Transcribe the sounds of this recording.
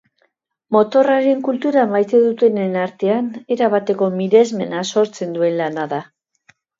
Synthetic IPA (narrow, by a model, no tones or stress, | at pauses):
mo̞t̪o̞raɾe̞ŋkult̪uɾamajt̪e̞ðut̪e̞nenaɾt̪e̞ane̞ɾaβ̞at̪e̞ko̞miɾe̞zme̞naso̞ɾt͡se̞nd̪ue̞nlanaða